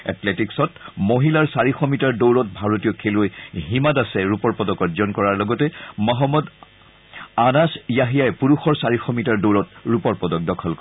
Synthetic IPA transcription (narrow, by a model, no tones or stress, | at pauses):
ɛ̰tletiksɔtmoɦilaɹsaɹixɔmitaɹdowɹɔt̚bʱaɹotijɔkʰelojɦimadasɛɹupɔɹpɔdɔkɔzɔnkɔɹaɹlɔɡɔtɛmɔɦɔmːɔd | anasijaɦijajɛpuɹuxɔɹsaɹixɔmitaɹdowɹɔtɹupɔɹpɔdɔk̚dɔkʰɔlkɔ